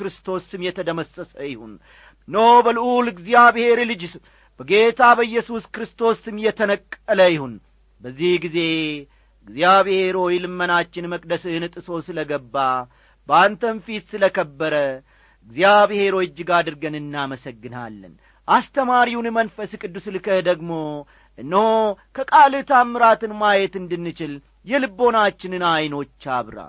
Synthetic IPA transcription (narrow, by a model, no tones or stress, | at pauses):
kɾɨst̪ʰo̞sɨmjɛt̪ʰəd̪əməsːəsəjɪhunː | əwbəlʔulɨɡzijaβhe̞ɾlɨd͡ʒ | b̥əɡe̞t̪ʰabəɨjːɛsuskɨɾɨst̪ʰo̞sɨmjɛt̪ʰənəkʼːələjɪhun | bəzːihɡize̞ | ɨɡzijaβhe̞ɾojlɨmːənat͡ʃːɪnməkʼd̪əsɨhnɨt̪ʼɨso̞sɨləɡəbːa | bəant̪ʰənfit̪sɨləkʰəbːəɾə | ɨɡzjaβhe̞ɾo̞jɪd͡ʒːɪɡad̪ɨɾɡənɨnːaməsəɡːɨna̰lːə̰n | ʔast̪ʰəmaɾiwunmənfəskʼɨd̪ːuslɨkʰəd̪əɡmo̞ | ʔɨnːəhokʰəkʼalɨt̪ʰamːɨɾat̪ɨnmajɛt̪ɨnd̪ɨnːɨt͡ʃɪl | jɛlɨbːo̞nat͡ʃːɪnɨnajno̞t͡ʃːaβɾa̰l